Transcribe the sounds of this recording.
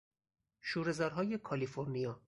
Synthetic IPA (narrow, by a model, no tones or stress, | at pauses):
ʃuːɾe̞zɒːɾɦɒːje̞kʰɒlifoɾnijɒː